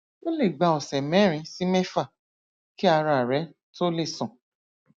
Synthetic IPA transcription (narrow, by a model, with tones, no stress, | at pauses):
o˦le˦˨ɡ͡ba˧˨ɔ˨sɛ˨mɛ̃˨˦ɾ̃ĩ˧si˦mɛ˦fa˦˨ | ki˦a˧ɾa˨ɾɛ˨˦ | to˦le˦˨sɔ̃˨